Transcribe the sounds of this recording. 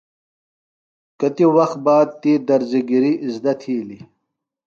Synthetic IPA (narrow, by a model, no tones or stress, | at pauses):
kɐt̪iwɐxt̪̚baːd̪̚t̪iːd̪ɐɾziɡiɾiʔːzd̪ɐt̪ʰiːli